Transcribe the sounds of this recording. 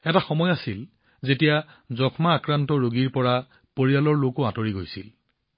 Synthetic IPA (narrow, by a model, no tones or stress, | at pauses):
ɛtaxɔmɔjasil | zetija | zɔkʰmaːkɹantɔɹoɡiɹpɔɹa | poɹialɔɹlokoatoɹiɡojsḭl